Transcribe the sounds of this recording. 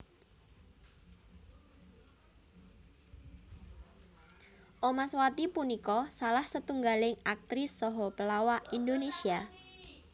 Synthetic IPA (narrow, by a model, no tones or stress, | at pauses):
ʔomaswat̪ipunikɔsalahsət̪uŋɡalɪŋak̚t̪ɾɪsːɔɦɔpəlawaʔind̪onesia